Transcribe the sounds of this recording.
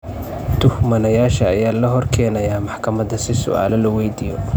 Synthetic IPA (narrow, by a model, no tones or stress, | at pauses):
t̪ʰʊhmɐnɐjaːʃɐːjaːlɐɦɔrkʰɛːnɐjaːmɑħkʰɐmɐd̪ɐsɪsʊ̰ʔa̰ːlɛlɐwɛjd̪ijɔ̰